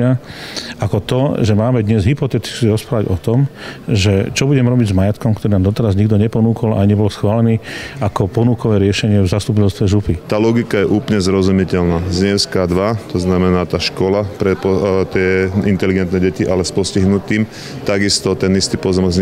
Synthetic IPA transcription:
aakɔt̪ɔʒɛmaːmɛd̪ɲɛzɦipɔt̪ɛt̪i̥siɾɔspɾaːʋaɟɔt̪ɔmʒɛt͡ʃɔbuɟɛmɾɔbiɟzmajat̪kɔmkt̪ɔɾinaːmd̪ɔt̪ɛɾazɲiɡd̪ɔɲɛpɔnuːkʰɔla̰jɲɛbɔlsxʋaːlɛniːakɔpɔnuːkɔʋɛːɾɪɛʃɛɲɪɛvzast̪up̬icɛlst̪ʋɛʒupit̪aːlɔɡikajɛʔuːpɲɛzɾɔzumicɛlnaːzɲɛskad̪ʋat̪ɔznamɛnaːt̪aːʃkɔlapɾɛɔt̪ɛint̪ɛliɡɛnt̪nɛɟɛciʔalɛspɔsciɦnut̪iːm | t̪aɡist̪ɔt̪ɛnist̪iːpɔzɔmɡz

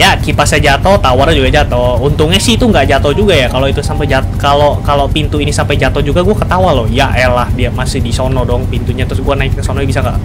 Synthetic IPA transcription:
jakipasad͡ʒat̪ɔt̪award͡ʒuɡad͡ʒat̪ɔunt̪ʊŋɲasɪit̪uŋɡaʔd͡ʒat̪ɔd͡ʒuɡajakaloit̪usampajd͡ʒat̪kalokalopint̪uinisampajd͡ʒat̪ɔd͡ʒuɡaɡuakət̪awalohjaʔɛlahdiamasɪhdisonɔdɔŋpint̪uɲat̪ɾʊsɡuanaɪk̚ːəsonɔibisaŋɡa̰ʔ

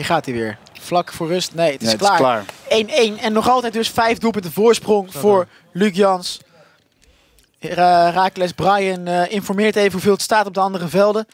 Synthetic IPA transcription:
ɦiːχaːtiʋɪ̰ːɹ | vlɑkfʊːɹrɵstnejətɪsklaːɹejnejnɛnːɔχɑlˠtɛjt̚dɵsfɛjvdulˠp̬ɵntəvʊːɹsprɔŋv̥ʊːɹ | lyɡjɑns | raːklɛsbrɑjənʔɪnfɔɹmɪːɹtejvəɦuvɪːlˠətstaːtɔb̚dəɑndərəvɛlˠdə

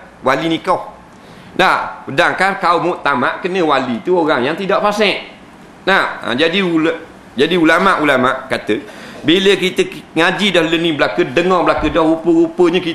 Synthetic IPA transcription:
walinikɔh | napədaŋkankaumoʔt̪amaʔkənəwalit̪uoɣaŋjaŋt̪idaʔfasɛʔ | naha̰d͡ʒadiul | d͡ʒadiulamaʔulamaʔkat̪əbiləkit̪əŋad͡ʒidɔhlənibəlakədəŋɔŋbəlakədɔhɾupəɣupəɲəki

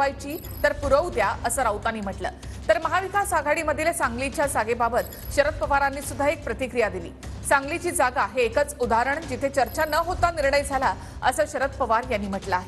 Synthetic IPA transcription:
ajt͡ɕiː | t̪əɾpuɾəwd̪jaəsəːɾawt̪anːiːm̤əʈlə̰ː | t̪əɾməɦaʋikasaɡʱaɽiːməd̪ʱilsãŋɡlit͡ɕjad͡zaɡebabət̪ | ɕəɾət̪̚pəʋaɾanːiːsud̪ʱːaek̚pɾət̪ikɾijad̪ilḭːsãŋɡlit͡ɕiːd͡zaɡaɦeːkət͡sud̪ʱaɾəɳd͡ʑit̪ʰet͡ɕəɾt͡ɕanəɦot̪aniɾɳəjd͡zʱala | əsəːɕəɾət̪̚pəʋaɾjanːiːm̤əʈləaːɦe

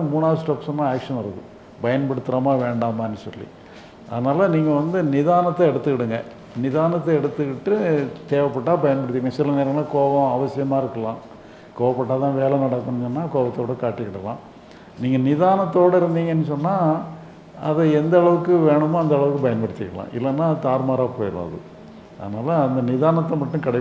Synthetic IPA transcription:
muːnaːðɐsʈɐːpːsɐmːãːaːkʂɐnɐɾɐðɯ̰ | bɐjɐnpɐɽɯt̪ːɯɾɐmaːʋeːɳɖaːmɐɐnːɯsɔ̰lːḭ | ʔɐ̰ðɐnaːlɐniːŋɡɐʋɐnd̪ɯnɪðaːnɐt̪ːɐɛɽɯt̪ːɯʋɪɽɯŋɡɐ | nɪðaːnɐt̪ːɐɛɽɯt̪ːɯkɪʈːɯt̪eːʋɐpːɐʈːaːbɐjɐnpɐɽɯt̪ːjŋɐsɪlːɐneːɾɐ̃ŋɡɐlɐkoːʋɐ̃ɐʋɐsɪjɐmaːɪɾɯkːɐlãː | koːʋɐpːɐʈːaːt̪ãːʋeːlɛnɐɽɐkːɐɳːɔnːaːkoːʋɐt̪ːoːɽɐkaːʈːɯkɪɽːɐlã̰ː | niːŋɡɐnɪðaːnɐt̪ːoːɽɐɪɾɯnd̪iːŋɡɐɛnːɯsɔnːaː | ɐðɐɛnd̪ɐɐɭɐʋɯkːɯʋeːɳɯmːɐɐnd̪ɐɭɐʋɯkːɯpɐjɐnpɐɽɪt̪ːɪkːɐlã̰ːʔɪ̰lːɐnːaːt̪aːɾmaːɾaːpoːjɪɾɯ̰ːðɯ̰ | ɐ̰ðɐnaːlɐɐnd̪ɐnɪðaːnɐt̪ːɐmɐʈːɯ̃kɐɽɐɪ

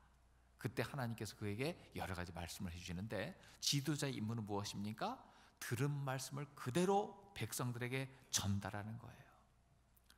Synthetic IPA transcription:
kɯt͈e̞hanaɲimk͈e̞sʰʌ̥kɯe̞ɡe̞jʌɾʌɣad͡ʑima̰ɭs͈ɯmɯɭɦe̞d͡ʑuɕʰinɯnde̞t͡ɕidod͡ʑaeimːunɯnmuʌɕʰimɲik͈atɯɾɯnmaɭs͈ɯmɯɭkɯde̞ɾope̞k̚s͈ʌŋdɯɾe̞ɡe̞t͡ɕʌndaɾanɯnɡʌ̰e̞̰jo

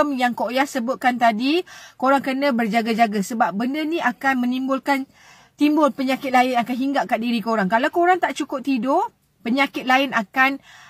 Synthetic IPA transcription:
əmjaŋkoʔjahsəbʊt̪̚kant̪adikoɾaŋkənə̃bərd͡ʒaɡad͡ʒaɡasəbap̚bəndənĩakanmə̃nimbʊlkan | t̪imbʊlpəɲakɪt̪̚laɪnakanɦiŋɡaʔkaʔ̚diɾikoɾaŋkalawkoɾaŋt̪aʔt͡ʃukʊp̚t̪idʊ | pəɲakɪt̪̚laɪnakan

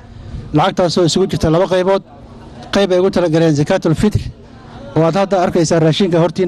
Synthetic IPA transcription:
lɑʕɑɡ̚t̪ʰaːsɔːɪsʊɣʊt͡ʃɪrt̪ʰɐlɐβɐqɑjβɔːd̪̚ | qɑjbɛjʊɣʊt̪ʰɐlɐɡɐlɛːnsɐkʰaːt̪ʰʊlfɪt̪r | ʔɔːaːd̪hɐd̪ɐɐrkʰɛjsaːraːʃiːŋkʰɐhɔrt̪ʰiː

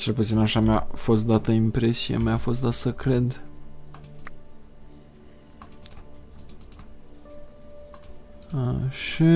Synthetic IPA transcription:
t͡ʃe̞lput̪sinaʃamjafo̞st̪̚d̪at̪əimpɾe̞sijḛmjafo̞st̪̚d̪at̪səkɾe̞d̪ | ʃi

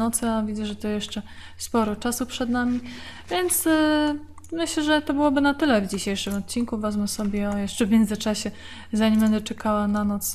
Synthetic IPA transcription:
nɔt̪sɨavʲid̪zɛʐɛt̪ɔjɛʂt͡ʂɛ | spɔɾɔt͡ʂasupʂɛd̪namʲivʲjɛnt̪s | mɘɕlɛʐɛt̪ɔbɘwɔbɘnat̪ɘlɛvd͡ʑiɕejʂɘmɔt̪̚t͡ɕinkuvazmɛsɔbʲjɛɔjɛʂt͡ʂɛvʲmʲjɛnd̪zɘt͡ʂaɕɛ | zaɲimbɛnd̪ɛt͡ʂɛkawananɔt̪s

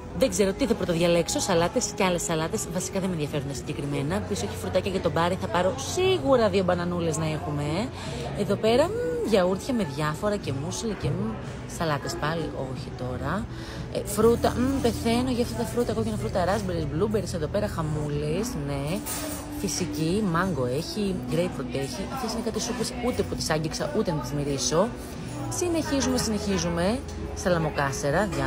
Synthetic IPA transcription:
ðeɡze̞ɾo̞t̪iθɐpɾot̪oðʝɐle̞kso̞sɐlɐt̪e̞sceɐle̞sɐlɐt̪e̞svɐsi̥kɐðemenðjʝɐfe̞ɾund̪ɐsiɲɟekɾime̞nɐpiso̞çifɾut̪ɐcɐʝɐt̪o̞bɐɾiθɐpɐɾo̞siɣuɾɐðio̞bɐnɐnule̞znɐe̞xume̞ | eðo̞pe̞ɾɐʝɐuɾθçɐme̞ðʝɐfo̞ɾɐce̞musilice | sɐlɐt̪e̞spɐliʔo̞çit̪o̞ɾɐ | ḛfɾut̪ɐ̰pe̞θe̞no̞ʝɐft̪ɐt̪ɐfɾut̪ɐkocinɐfɾut̪ɐɾɐzbeɾilblubeɾseðo̞pe̞ɾɐxɐmulisne | fisicimɐŋɡo̞e̞çiɡɾejpɾot̪eçiʔɐft̪esine̞kɐt̪isupɾesut̪e̞put̪i̥sɐɲɟiksɐʔut̪e̞nɐt̪izmiɾiso̞ | sine̞çizume̞sine̞çizume̞ | st̪ɐlɐmo̞kɐseɾɐɐ

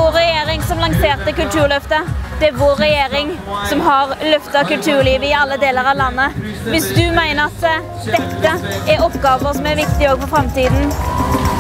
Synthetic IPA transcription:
oːɾɛjeːɾɪŋsɔmlɑŋseːʁt̪əkʉlt̪ʰʉːʁlœft̪əd̪̥ɛæɾʋoːɾːɛjeːɾɪŋsɔmɦɑʁlœft̪ɑkʉlt̪ʰʉːʁliːʋəɪɑlːəd̪eːləɾɑʋlɑnːə | ʋɪsd̪ʉmæɪnəɾɑt̪ | d̪ɛt̪ːəæɾɔpːɡɑːʋəsɔmæɾʋɪkt̪ɪoːɡfɔfɾɑmt̪iːd̪n̩

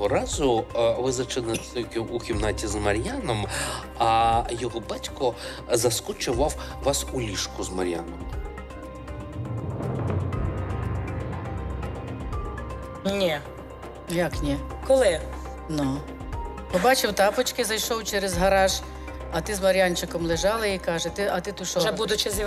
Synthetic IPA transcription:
ɔɾɑzʊʋɪzɐt͡ʃɪnɐkʲukʲimnɑtʲizmɐɾʲjanɔm | ɐjɔɦɔbɑtʲkɔ | zɐskʊt͡ʃʊʋɑw | ʋɑsulʲiʃkʊzmɐ̰ɾʲja̰nɔm | nʲi | jɑknʲi | kɔlˠɪ | nu | pɔbɑt͡ʃɪwt̪ɑpɔt͡ʃkɪzɐjʃɔwt͡ʃɛɾezɦɐɾɑʒ | ɐt̪ɪzmɐɾʲjɑnʲt͡ʃɪkɔmlˠɪʒɑlˠɐikɑʒet̪ɪʔɐt̪ɪt̪ʊʃɔʒɛbud̪ʊt͡ʃɪz

